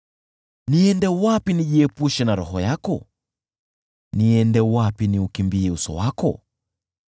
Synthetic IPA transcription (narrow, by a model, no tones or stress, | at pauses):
niɛndɛwapiniʄiɛpuʃɛnaɾɔɦɔjakɔ | niɛndɛwapiniukimbiɛusɔ̰wakɔ̰